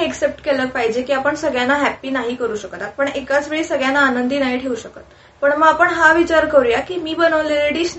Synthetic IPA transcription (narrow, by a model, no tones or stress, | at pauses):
eksep̚ʈkelək̚paɦid͡ʑekiːapəɳsəɡɭjanaɦæpiːnaɦiːkəɾuːɕəkt̪apəɳekat͡sʋeɭiːsəɡɭjanaːnənd̪iːnaɦiʈʰeʋuɕəkət̪ | pəɳməɡapəɳɦaʋit͡ɕaɾkəɾjakiːmiːbənəʋleleɽiːɕ